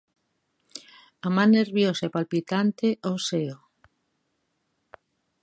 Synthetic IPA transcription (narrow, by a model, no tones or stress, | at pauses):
amãnːeɾβjosaepalpit̪ant̪eʔoseo